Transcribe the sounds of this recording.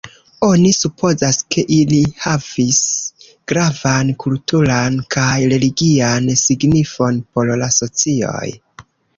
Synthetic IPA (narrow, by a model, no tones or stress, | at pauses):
o̞nisupʰo̞zaske̞ʔilihavis | ɡ̥ɾavankultuɾankʰajɾe̞liɡiansiɡnifo̞npo̞llaso̞t͡sio̞̰j